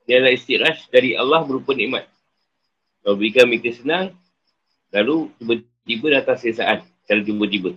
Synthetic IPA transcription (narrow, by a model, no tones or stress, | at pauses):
dialaist̪iʔɾasdaɾiʔa̰lːahbəɾupənĩʔma̰t̪̚ | kaubəɾikamikəsənaŋ | lalut̪ibə | t̪ibədat̪asəsa̰ʔan | kalat̪̬ibbət̪ibə